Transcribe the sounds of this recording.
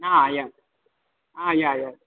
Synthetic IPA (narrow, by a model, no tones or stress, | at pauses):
aja | ajaja